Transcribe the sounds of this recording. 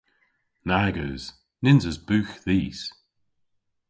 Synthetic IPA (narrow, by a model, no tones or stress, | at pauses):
naɡəːz̥ | nɪnzəzbʉːxðiːs